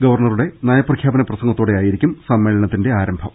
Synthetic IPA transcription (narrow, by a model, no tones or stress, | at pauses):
ɡɐʋɐrɳɐruɽe̞njaːjɐprɐkʰjaːbɐnɐprɐsɐŋɡɐt̪ːoːɽejaːjiɾikʲːumsɐmːe̞ːɭɐɳɐt̪ːinde̞aːɾɐmbʱɐm